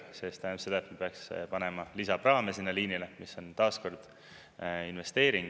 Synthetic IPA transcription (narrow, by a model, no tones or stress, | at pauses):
sest̪æpselet̪mpeɑkspɑnemɑlisɑpɾɑːmesinːɑliːnilemiso̞nt̪ɑːsko̞rd̪̥ | inve̞st̪e̞ːɾiŋɡ